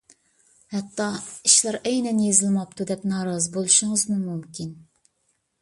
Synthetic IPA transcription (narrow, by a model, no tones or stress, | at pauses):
hɛt̪ʰːɑiʃlæɾɛjnɛnjezɪlmɑpt̪ʰud̪ɛpnɑːɾɑzɨbolˠɨʃʊŋɨzmumumkʲin